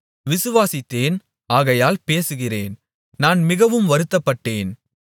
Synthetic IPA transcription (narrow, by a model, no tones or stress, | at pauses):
ʋɪsɯʋaːsɪt̪ːeːn | aːɣɐjaːlpeːsɯɣɪreːn | naːnmɪɣɐʋɯmʋɐɾɯt̪ːɐpːɐʈːeːn